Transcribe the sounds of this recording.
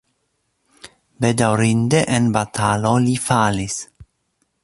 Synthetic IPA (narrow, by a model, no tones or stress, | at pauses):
bed̪awɾind̪eʔenbat̪ʰalolifalis